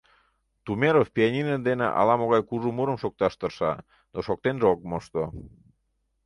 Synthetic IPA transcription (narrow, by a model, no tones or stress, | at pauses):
t̪umeɾofpianʲinəd̪enḛʔɑ̰lɑmoɣɑjkuʒumuɾəmʃok̚t̪ɑʃt̪ərʃɑ | noʃok̚t̪enʒeok̚moʃt̪o